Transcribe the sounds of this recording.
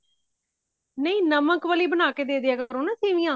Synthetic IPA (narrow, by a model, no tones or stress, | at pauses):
nəĩːnəməkʋəliːbənaːkeːd̪eːd̪ɪjaːkəəɾõːnaːsʰĩːʋĩːãː